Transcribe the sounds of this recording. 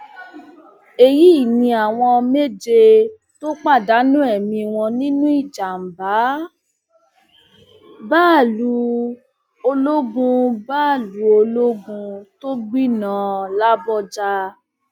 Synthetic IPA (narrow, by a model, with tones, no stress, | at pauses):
e˨ji˦˨nĩ˧a˨w̃ɔ̃˧me˦d͡ʒe˧ | to˦k͡pa˦˨da˨˦nũ˦ɛ˦˨mĩ˧w̃ɔ̃˧nĩ˦nũ˦i˦˨d͡ʒa˨m̩˨ba˨˦ | baː˦˨lu˨˦ | o˧lo˦ɡũ˧baː˦˨lu˨˦o˧lo˦ɡũ˧to˦ɡ͡bi˦nã˦la˦bɔ˦˨d͡ʒa˧